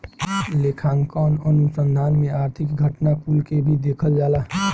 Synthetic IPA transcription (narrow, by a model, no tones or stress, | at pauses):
lekʰãːŋkənənusə̃nd̪ʱaːnmẽaɾt̪ʰɪkɡʱəʈnakulkebʱid̪ekʰəld͡ʒaːla